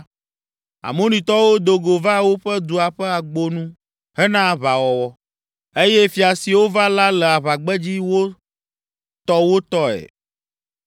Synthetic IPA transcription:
a̰˨mõ˦nĩ˨t̪ɔ˦wo˦d̪o˨ɡo˨va˦wo˦ɸɛ˦d̪u˨a˨ɸɛ˦a˨ɡ͡bo˦nũ˦ | ɦɛ˦nã˦˨βa˨wɔ˨wɔ˦ | e˦je˦fi˨a˨si˨wo˦va˦la˦lɛ˨a˨βa˨ɡ͡bɛ˦d͡ʑi˦wo˦ | t̪ɔ˦wo˦t̪ɔ˦ɛ̰˨

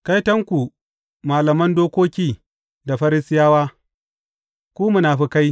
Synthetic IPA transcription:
ka˦jtɐ˦ŋkʷu˨ | maː˨lɐ˨mɐ˦ndoː˦kʷoː˦kʲiː˦ | da˨ɸɐ˦ɾɪ˦sɪ˦jaː˦waː˦ | kʷuː˦mʊ˦naː˨ɸi˦ka˦j

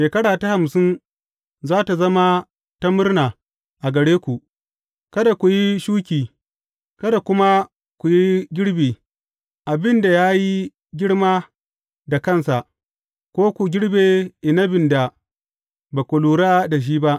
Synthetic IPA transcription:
ʃeː˨kɐ˦ɽaː˨ta˦ha˨msɪ˦n | zaː˦ta˨zɐ˦ma˦ | ta˦mʊ˦rnaː˨ | ʔa˨ɡɐ˨ɽeː˦kʷu˨ʔ | kɐ˦da˨kʷu˨ji˦ʃuː˦kʲiː˨ | kɐ˦da˨kʷʊ˦ma˦ | kʷu˨ji˦ɡʲɪ˦ɽbeː˨ | ʔa˨bɪ˦nda˨jaː˦ji˦ | ɡʲɪ˦ɽmaː˦ | da˨kɐ˦nsa˨ʔ | kʷoː˦kʷu˨ɡʲɪ˦ɽbeː˨ʔɪ˨na˦bɪ˨nda˨ | ba˨kʷʊ˨luː˨ɾaː˦da˨ʃ̬iː˦ba˦ʔ

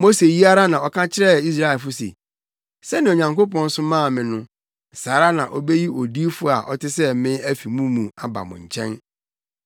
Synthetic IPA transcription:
mo˦se˨ji˦a˦ɾa˦nã˨ɔ˨kʰã˦t͡ɕʰɪ˦ɾɛ˦˨i˦s̬ɾa˦ɛ˨lfʊ˦sḛ˨ | sɛ˦nɪ̃˨o˨ɲã˨ŋko˦pɔ̃˦n̩˦sʊ̃˦mã˦˨mɪ̃˨nʊ̃˦˨ | saː˨˦ɾa˦nã˨ʔɔ˦be˦ji˦o˨di˦fʊ˦a̰˨ʔɔ˦tʰɪ˦sɛ˦mɪ̃˦æ˦fi˨mũ˦mũ˨a˨ba̰˨mʊ̰̃˨ɲ̩˨t͡ɕʰɛ̰̃˦n

